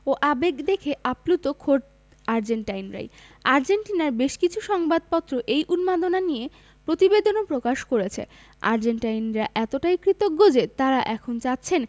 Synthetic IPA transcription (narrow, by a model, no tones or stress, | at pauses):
oʔabeɡd̪ekʰeʔaplut̪okʰoɾɖ | aɾd͡ʑeɳʈajnɾa̰jaɾd͡ʑenʈinaɾbeʃkit͡ɕʰuʃɔŋbad̪̚pɔt̪ːɾoʔejʔunmad̪onanije | pɾot̪ibed̪onopɾokaʃkoɾet͡ɕʰḛ | a̰ɾd͡ʑenʈajnɾaʔɛt̪oʈajkɾit̪ok̚ɡod͡ʑet̪aɾaʔɛkʰont͡ɕat̪ːɕʰen